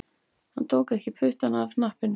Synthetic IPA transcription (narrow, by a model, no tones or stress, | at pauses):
hant̪ʰoːwkɛhcɪpʰʏht̪anavnahpɪn